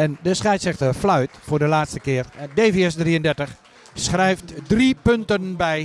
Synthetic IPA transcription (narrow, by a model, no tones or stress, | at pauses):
ɛndəsχɛjtsɛxtəflœɥtfʊːrdəlaːtstəkɪərdeviɛsdriəndɛrtəx | sχrɛjftdripøntənbɛj